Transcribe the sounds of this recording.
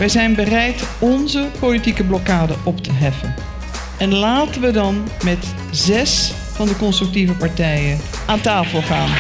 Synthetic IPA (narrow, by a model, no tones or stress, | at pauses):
ʋɛjzɛjnbərɛjtɔnzəpolitikəblɔkaːdəʔɔptʰəɦɛfən | ɛnlaːtənʋədɑnmɛt | zɛs | fɑndəkɔnstrʏk̚tivəpaɹtɛjən | ʔaːntaːfəlˠχaːn